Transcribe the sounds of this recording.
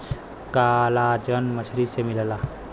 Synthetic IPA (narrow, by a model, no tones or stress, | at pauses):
kalad͡ʒənmət͡ʃʰlisemiləla